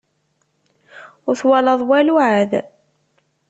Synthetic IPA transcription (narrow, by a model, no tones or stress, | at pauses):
ʊɾθwælɑðˤwæluʕað